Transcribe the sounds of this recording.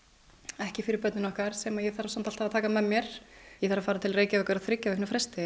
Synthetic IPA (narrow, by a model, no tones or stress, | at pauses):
ɛhcɪfɪɾɪɾpœt̪nɪnɔhkaɾ̥sɛmaðjɛθaɾasamnt̪alt̪havat̪ʰaːkamɛmjɛɾ̥jɛθaɾafaːɾat̪ʰɪlreːjcaœkaɾaðθɾɪcːaðɛknʏfɾɛst̪ɪ